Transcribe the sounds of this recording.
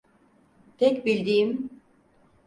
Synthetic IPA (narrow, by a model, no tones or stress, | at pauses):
t̪ʰɛcbilʲd̪iːim